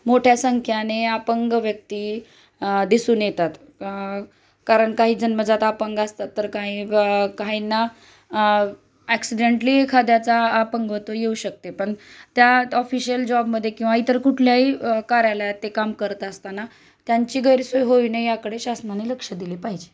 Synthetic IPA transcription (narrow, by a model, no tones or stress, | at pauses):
moʈʰjasəŋkʰjaneapəŋɡʋjək̚t̪iː | d̪isuːnjet̪at̪ | kaɾəɳkaɦiːd͡zənməd͡zat̪apəŋɡast̪at̪ːəɾkaɦĩkaɦinːa | æksiɖeɳʈliːkʰad̪jat͡saːpəŋɡʋət̪ojeuɕək̚t̪epəɳt̪jaɔfiɕiəld͡ʑɔbməd̪ʱːjekĩw̃ʋait̪əɾkuʈʰljaɦikaɾajlat̪ːekamkəɾt̪əst̪ana | t̪jaɲt͡ɕiːɡʱəɾsojɦoinejakəɽeɕasnaneləkʂəd̪ilepaɦid͡ʑe